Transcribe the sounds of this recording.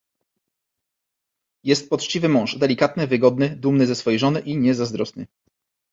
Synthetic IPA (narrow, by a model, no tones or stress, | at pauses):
jɛst̪̚pɔt͡ʂt͡ɕivɘmɔ̃w̃ʐd̪ɛlʲikat̪nɘvɘɡɔd̪nɘd̪umnɘzɛsfɔjejʐɔnɘʔiɲɛzazd̪ɾɔsnɘ̰